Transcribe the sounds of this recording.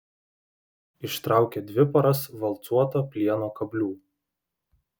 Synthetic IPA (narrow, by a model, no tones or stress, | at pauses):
ɪʃt̪ɾɑˑʊkʲed̪ʲʋʲɪpɐɾɐsʋɐlˠt̪suɔt̪oːpʲlʲiɛnoːkɐbʲlʲuː